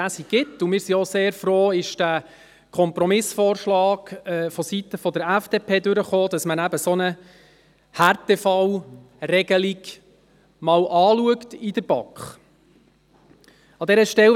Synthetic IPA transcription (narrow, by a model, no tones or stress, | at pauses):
æsiɡ̥ɪt̪ːʊmɪːɾsioseːɾfroːɪʃd̥æ | kʰɔmpɾɔmɪsfoːrʃlɑːkɛfɔsit̪əfɔd̪əɾæfd̥eːpʰeːd̪ʏɾəχoːd̪ɑsmənæbəsɔnə | hærtɛfɑw | rɛɡəliɡ | mɑwʔɑːluəktidəɾb̥ɑkχ | ɑdɛɾəʃtɛl